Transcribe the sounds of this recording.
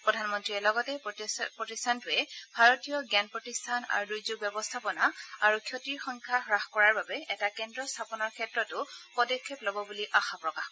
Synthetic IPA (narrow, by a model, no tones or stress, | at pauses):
pɹɔdʱanmɔntɹiɛlɔɡɔtɛpɹɔtistʰantʊɛbʱaɹɔtijɔɡɛnpɹɔtistʰana̰ɹudujzuɡ̚bjɛbɔstʰapɔnaaɹukʰjotiɹxɔŋkʰaɦɹaxkɔɹaɹbabɛɛtakɛndɹɔstʰapɔnɔɹkʰɛtɹɔtʊpɔdɔkʰːeplɔbɔbuliʔaxapɹɔkax